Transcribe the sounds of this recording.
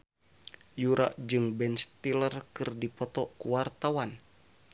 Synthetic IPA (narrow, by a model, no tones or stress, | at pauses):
juɾʔa̰ʔd͡ʒɨŋbɛnst̪ilərkɨrdipɔt̪ɔkuwart̪awan